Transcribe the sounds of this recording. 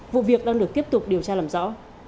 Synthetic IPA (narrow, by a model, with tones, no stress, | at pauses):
vṵ˧˨vi˨˩ək̚ɗaː˧ŋɗɨ˨˩ək̚t̪i˦˥əp̚t̪ʊ˨˩k͡p̚ɗi˨˩əwt͡ɕaː˧laː˨˩mzɔ̰˧˥